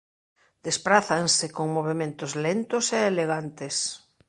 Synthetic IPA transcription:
d̪̥espɾaθaŋsekoŋmoβ̞emẽnt̪ozlent̪oseːleɣ̞ant̪es

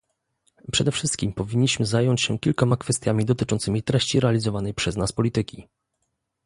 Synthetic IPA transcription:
pʂɛd̪ɛfʂɘst̪̚kʲimpɔvʲiɲːiɕmɘzajɔɲt͡ɕɕɛkʲilkɔmakfɛst̪ʲjamʲid̪ɔt̪ɘt͡ʂɔ̃nt̪sɘmʲit̪ɾɛɕt͡ɕiɾɛalʲizɔvanɛjpʂɛznaspɔlʲit̪ɘkʲi

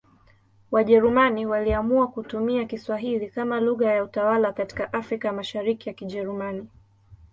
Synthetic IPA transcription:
waʄɛɾumaniwaliamuakutumiakiswaɦilikamaluɣajautawalakati̥kaʔafɾikajamaʃaɾikijakiʄɛɾumani

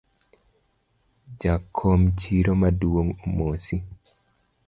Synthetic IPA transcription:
d͡ʒakʰːomt͡ʃiɾomaduwoŋomosi

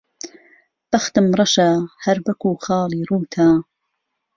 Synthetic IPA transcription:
b̥ɐxt̪ɨmrˤɐʃahɐɾbɐkuːxɑːlˠiːruːt̪ʰaː

